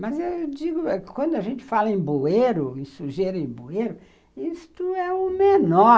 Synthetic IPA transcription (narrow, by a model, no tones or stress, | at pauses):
mɐzewd͡ʒiɡʊɛkwɐ̃nd̪ʊɐʒẽnt͡ʃɪ̥falɐẽbueɾʊĩsuʒeɾɐẽbueɾʊ | ist̪ʊɛʊmenɔ